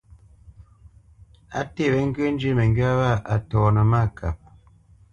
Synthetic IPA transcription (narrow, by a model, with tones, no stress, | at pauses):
a̰˦te˦˨βɛ˨˦ŋ̩˦ɡe˦n˦d͡ʒi˦mə˨ŋ˦ɡɥa˦βa˦˨a˨tɔː˨nə˨ma˦˨kʰa˨p̚